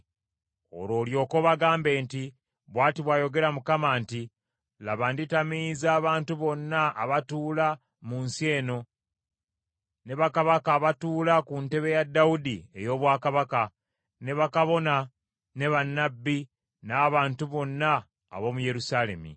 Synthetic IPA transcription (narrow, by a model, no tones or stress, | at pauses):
o̰ɾo̞ːljo̞ːko̞βaɡaːmbe̞ːnti | βwaːtiβwaːjo̞ɡe̞ɾamukamaːnti | laβanditamizaːβaːntuβo̞nːaːβatuːla | munsje̞ːno̞ | ne̞βakaβakaːβatuːlakunte̞βe̞jadːaudie̞̰jo̞ːβwaːkaβaka | ne̞βakaβo̞na | ne̞βanːabːi | naːβaːntuβo̞nːa̰ː | βo̞muje̞ɾusale̞̰mḭ